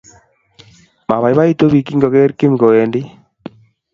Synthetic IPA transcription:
ma˨βa˨i˦βa˦i˦to˦βi˨ki˦ŋɡɔ˨ɣɛ˦ɾki˦ŋɡo˨ɛ˨ndi˦

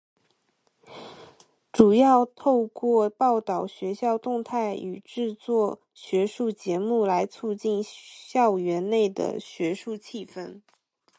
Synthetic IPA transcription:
ʈ͡ʂu˨˩jɑ˥˧ʊt̪ʰo˥˧ʊkwɔ˥˧pɑ˥˩ʊt̪ɑ˨˩ʊɕɥɛ˧˥ɕjɑ˥˧ʊt̪ʊ˥˧ŋt̪ʰa˥˩ɪy˨˩ʈ͡ʂɻ̩˥˧t͡swɔ˥˩ | ɕɥɛ˧˥ʂu˥˩t͡ɕjɛ˧˥mu˥˩la˧˥ɪt͡sʰu˥˧t͡ɕi˥˩nɕjɑ˥˩ʊɥɛ˧˥nne˥˩ɪd̪ə̰˩ɕɥɛ˧˥ʂu˥˧t͡ɕʰi˥˧fə˥˩n

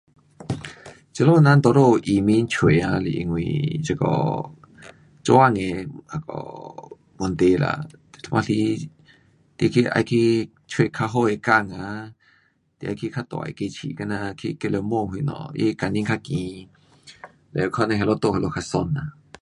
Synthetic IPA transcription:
t͡ʃə˧lo˦˨nã˦nt̪ɔ˧˨ɾo˦˨ʔi˨mĩ˦nt͡ʃʰwe˨ã˧lḭ˨ʔŋwḭ̃˨t͡ʃə˧kɔ̰˨ | t͡ʃwa˦ŋe˧˨ha˧˨kɔ̰˨ | mo˧˨nt̪e˧la̰˨t̪e˨t̪ʰmʔã˧li˧˦ | t̪i˧kʰi˧ʔa̰˧jkʰi˧˦ | t͡ʃʰwe˧˨kʰa˧ɦo˦˨e˧˨ka˧˨ŋa˧˦ | t̪ḛ˧˨a˧jkʰi˧kʰa˦˧t̪ɔ̰˨ḛ˧˨ke˧˨t͡ʃʰḭ˨ka˧˦nã˧kʰḭ˧ke˧lo˧mõ˧˨hi˧˨nɔ̰̃˨jḛ˦ka˧˨nĩ˧˦ŋkʰa˦˧kĩ˨ | lɛ̰˨˧kʰɔ˧˦nã˧ɦe˧lo˦t̪o˧˨he˧lo˧˨kʰa˧so˧nːa˧

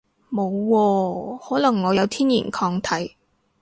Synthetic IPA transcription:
mo˨˧wːɔː˧hɔː˨˥lɐ˨˩ŋːɔː˨˧jɐ˨˧wt̪ʰiː˥njḭː˨˩nkʰɔː˧ŋt̪ʰɐ˨˥j

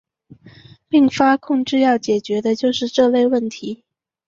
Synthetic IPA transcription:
pi˥˩ŋfa˥kʰʊ˥˧ŋʈ͡ʂɻ̩˥˧jɑ˥˩ʊt͡ɕjɛ˨˩t͡ɕɥɛ˧˥d̪ə˧t͡ɕjo˥˧ʊʂɻ̩˥˧ʈ͡ʂɤ˥˧le˥˧ɪwə˥˩nt̪ʰi˧˥

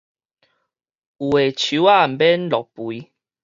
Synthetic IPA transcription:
u˨e˨t͡ɕʰu˨˦a˦˨m̩˨bɛ˦nlɔ˨k̚pu˨i˧

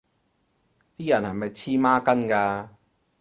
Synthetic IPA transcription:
t̪iː˦˥jɐ˨˩nhɐ˨jmɐ˨jt͡sʰiː˥maː˥kɐ˥nkaː˧

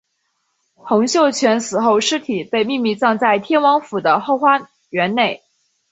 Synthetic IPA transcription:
xʊ˧˥ŋɕjo˥˩ʊt͡ɕʰɥɛ˧˥nsɹ̩˨˩xo˥˩ʊʂɻ̩˥t̪ʰi˨˩pe˥˧ɪmi˥˧mi˥˧t͡sɑ˥˧ŋt͡sa˥˩ɪt̪ʰjɛ˥nwɑ˧˥ŋfu˨˩d̪ə˦xo˥˧ʊxwa˥ | ɥɛ˧˥nne˥˩ɪ

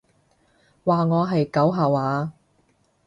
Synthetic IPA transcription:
waː˨ŋɔː˨˧ɦɐ˨jkɐ˨˥wɦɐ˨˩waː˨˧

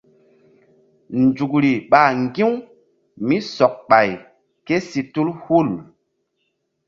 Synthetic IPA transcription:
nd͡ʒu˨k̬ɾi˨ɓa˨ŋɡĩ˦w | mi˦sɔ˨k̚ɓa˨j | ke˦si˨tu˦lhu˦˨l

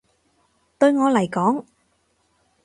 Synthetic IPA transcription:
t̪ɵ˧ɥŋɔː˨˧lɐ˨˩jkɔː˨˥ŋ

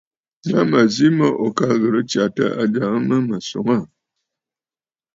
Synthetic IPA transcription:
ɲa˦mə˨zi˦mə˦ʔo˨ka˦ɣə˨ɾə˦t͡ʃa˨tə̰˦ʔa˨d͡ʒa˨ŋə˦mə˦mə˨so̰˨ŋa˦˨

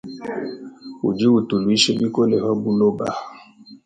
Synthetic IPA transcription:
ṵ˨d͡ʒi˦wu˨tu˨lu˨i˦ʃe˦ɓi˦ko˦lɛ˨hɔ˦bu˦lo˦ba̰˨

